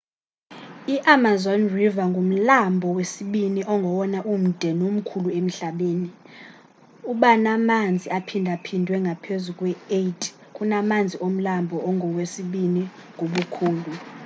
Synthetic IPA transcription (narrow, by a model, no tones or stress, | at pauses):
iʔamazɔnrivaŋɡʱom̩lambʱɔwesiɓiniʔɔŋɡʱɔwɔnaʔum̩d̥ʱɛnom̩kʰuluem̩ɬaɓeːni | uɓanamand͡zʱiapʰindʱapʰindʱwɛŋɡʱapʰezukʼwɛetʰʼ | kʼunamand͡zʱiom̩lambʱɔʔɔŋʱɔwesiɓiniŋɡʱoɓukʰuːlu